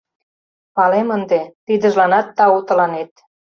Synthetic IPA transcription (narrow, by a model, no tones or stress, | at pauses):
mɑlemənd̪et̪id̪ə̆ʒlɑnɑt̪ːɑut̪ə̆lɑnet̪